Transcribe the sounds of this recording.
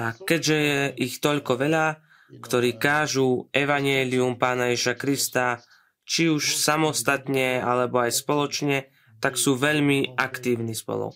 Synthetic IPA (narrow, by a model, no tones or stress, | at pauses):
akɛɟʒɛjɛʔixt̪ɔʎkɔʋɛʎa | kt̪ɔɾiːkaːʒuːɛʋaɲɛliumpaːnajɛʒiʃakɾist̪a | t͡ʃiuʃsamɔst̪at̪ɲɛa̰lɛbɔajspɔlɔt͡ʃɲɛ | t̪aksuːʋɛʎmiʔakt̪iːʊnispɔ̰lɔ̰k